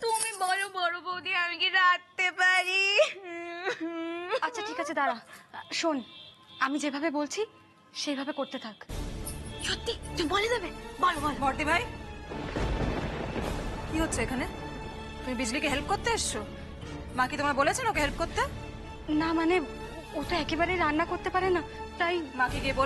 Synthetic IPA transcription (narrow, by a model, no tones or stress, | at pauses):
t̪umibɔlobɔɾobod̪iamikiɾak̚t̪epaɾi | atːɕʰaʈʰikat͡ɕʰed̪aɾaʃon | amid͡ʑebʱabebolt͡ɕʰi | ʃejbʱabekoɾt̪et̪ʰak | ʃot̪ːibolid̪ebebʱɔlobɔnbɔɾt̪ibʱaj | kiɦotːɕʰeekʰane | t̪umibid͡ʑlikeɦelp̚koɾt̪eaʃt͡ɕʰo | makit̪omɾabolet͡ɕʰenokeɦelp̚koɾt̪e | namane | ot̪oɛkebaɾejɾanːakoɾt̪epaɾena | t̪ajmakiɡiebo